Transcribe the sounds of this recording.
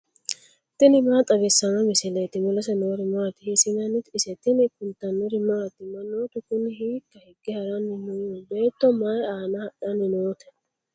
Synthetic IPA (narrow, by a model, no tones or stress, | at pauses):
t̪ɪnɪmaːt̪ʼɐɡɛsːɐmɐmɪsɪlet̪ɪmʊlɐsɐnoːɾɪmaːt̪ɪhɪsɪnɐnɪt̪ɪsɛt̪ɪnɪkʊnt̪ɐnːʊɾɪmaːt̪ɪmɐnoːt̪ʊkʊnɪhiːkːɐhɪɡ̥ɪhɐɾɐnɪnʊjubeːt̪ːɔmaːaːnɐhɐᶑɐnɪnoːt̪ɛ̥